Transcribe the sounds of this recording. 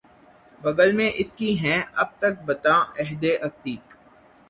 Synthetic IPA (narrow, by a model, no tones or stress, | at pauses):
bɐɡəlmẽʔɪskiɦɛ̃ɐb̚t̪ɐk̚bɐt̪ãːɛɦd̪eʔɐkt̪iːk